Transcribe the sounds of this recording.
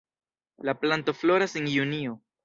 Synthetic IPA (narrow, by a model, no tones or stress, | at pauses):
laplanto̞flo̞ɾasenjunio